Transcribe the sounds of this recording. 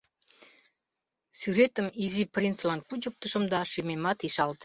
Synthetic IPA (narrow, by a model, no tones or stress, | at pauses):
syɾet̪əmiziprʲinslˠankud͡ʒup̚t̪uʃə̆md̪ɑʃumʲemɑt̪iʃɑlˠd̪